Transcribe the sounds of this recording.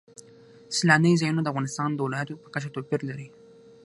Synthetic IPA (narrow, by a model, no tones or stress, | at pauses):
slɑnəjzɑjunod̪əafɣɑnɪst̪ɑnd̪əwɪlɑjat̪opəkət͡ʃat̪opiɾlaɾi